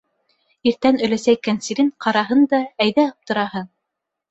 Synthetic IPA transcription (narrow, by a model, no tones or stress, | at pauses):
iɾt̪ænɵ̆læsæikænsiɾɘŋqʰɑɾɑɦɤnd̪ɑæjðæop̚t̪ŏɾɑhɤn